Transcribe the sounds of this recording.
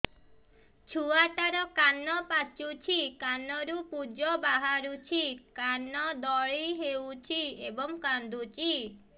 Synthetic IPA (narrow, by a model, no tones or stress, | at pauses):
t͡ʃʰuaʈaɾɔkanɔpat͡ʃut͡ʃʰikanɔɾupud͡ʒɔbaɦaɾut͡ʃʰikanɔd̪ɔɭiɦewt͡ʃʰiebɔŋkand̪ut͡ʃʰi